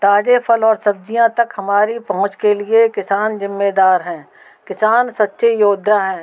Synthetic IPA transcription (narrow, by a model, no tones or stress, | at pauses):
t̪aːd͡ʒepʰəlɔːɾsɐb̚d͡ʒijãt̪ɐkhɐmaːɾipɐɦʊ̃t͡ʃkeliekɪsaːnzɪmːeːd̪aːɾɦɛ̃ː | kɪsaːnsɐtːʃejoːd̪ʱjaɦɛ̃ː